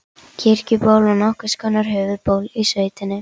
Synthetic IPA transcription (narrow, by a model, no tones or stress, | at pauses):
cʰɪɾ̥cʏpaːwlvanɔhkʏskanːaɾ̥ɦʏːvʏðpoːwlisveːjt̪ɪnːɪ